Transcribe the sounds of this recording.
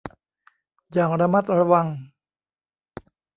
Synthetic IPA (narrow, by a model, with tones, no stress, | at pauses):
jaː˨˩ŋɾa˧ma˦˩t̪̚ɾa˧wa˧ŋ